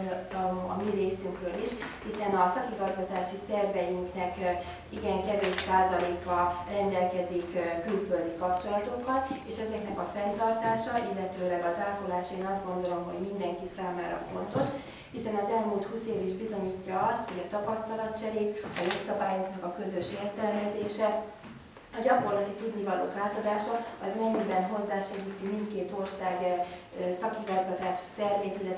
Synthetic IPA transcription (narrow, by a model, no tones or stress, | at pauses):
ɒ̰miɾeːsyŋkrøːliʃhisɛnɒsɒkiɡɒzɡɒt̪aːʃisɛrvɛjiŋknɛk | iɡɛŋkɛveːʃsaːzɒleːkɒrɛnd̪ɛlkɛzikkylføld̪ikɒp̚t͡ʃo̞lɒt̪o̞ɡbɒneːʃɛzɛknɛkɒfɛnt̪ɒrt̪aːʃɒilːɛt̪øːlɛɡɒzaːlkolaːʃeːnɒzd̪ɡo̞nd̪o̞lo̞mɦo̞̰ɟmind̪ɛŋkisaːmaːɾɒ̰fo̞nt̪o̞ʃ | hisɛnɒzɛlmult̪huːseːviʒbizo̞ɲiːcːɒɒst̪ho̞ɟɒt̪ɒpɒst̪ɒlɒt̪̚t͡ʃɛɾeːt̪ɒjo̞ksɒbaːjo̞knɒkɒkø̞zø̞ʃeːrt̪ɛlmɛzeːʃɛ | ɒɟɒko̞rlɒt̪it̪ud̪nivɒlo̰ːklaːt̪o̞d̪aːʃɒɒzmɛɲːibɛnɦo̞zːaːʃɛɡiːt̪imint̪keːt̪o̞rsaːɡ | sɒkhiɡɒzɡɒt̪aːʃt̪ɛrveːt̪ilːɛ